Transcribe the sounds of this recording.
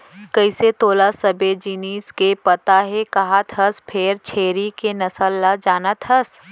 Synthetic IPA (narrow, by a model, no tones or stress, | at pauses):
kɐɪset̪oːlasɐbed͡ʒiniːskepɐt̪aɦɛkɐɦat̪ʰɦɐspʰɪɾt͡ʃʰeːɾikenɐsəlːad͡ʒaːnat̪ʰəs